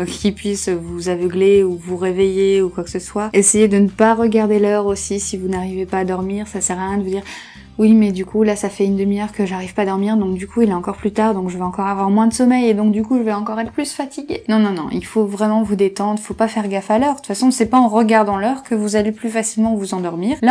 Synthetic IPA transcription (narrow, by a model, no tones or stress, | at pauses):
kʲipɥisvuzavəɡleuvuʁevejeukwaksəswaesejed̪ənəpaʁəɡaʁd̪elœʁosisivunaʁivepaːd̪ɔʁmiʁsasɛʁajɛ̃d̪əvud̪iːʁ | wimɛd̪ykʰulasafɛynd̪əmiœʁkəʒaʁivpaːd̪ɔʁmiʁd̪ɔ̃k̚d̪ykuileɑ̃kɔʁplyt̪aʁd̪ɔ̃kʒəvɛɑ̃kɔʁavwaʁmwɛ̃d̪əsɔmɛjed̪ɔ̃k̚d̪ykuʒəvɛɑ̃kɔʁɛt̪χəplysfat̪ʰiɡʲenɔ̃nɔ̃nɔ̰̃ʔḭlfovʁɛmɑ̃vud̪et̪ɑ̃d̪ʁifopafɛʁɡafalœʁd̪ut̪fasɔ̃sɛpaɑ̃ʁəɡaʁd̪ɑ̃lœʁkəvuzaleplyfasilmɑ̃vuzɑ̃d̪ɔʁmiːʁla